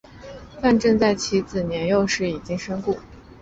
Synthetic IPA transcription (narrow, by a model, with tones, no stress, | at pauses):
fa˥˧nʈ͡ʂɤ˥˧ŋt͡sa˥˩ɪt͡ɕʰi˧˥t͡sɹ̩˨˩njɛ˧˥njo˥˧ʊʂɻ̩˥˩i˨˩t͡ɕi˥ŋʂə˥ŋku˥˩